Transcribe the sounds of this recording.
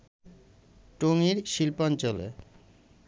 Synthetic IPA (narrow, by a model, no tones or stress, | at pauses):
ʈoŋiɾʃilpɔnt͡ɕolḛ